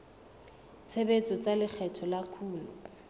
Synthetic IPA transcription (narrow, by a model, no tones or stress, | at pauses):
t͡sʰebet͡sʼɔt͡salɪk͡xʰɛtʰɔlakʰuːlu